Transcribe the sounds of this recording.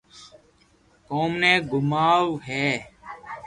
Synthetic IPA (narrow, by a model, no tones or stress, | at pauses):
koːmnẽːɡʊmaːwɦeː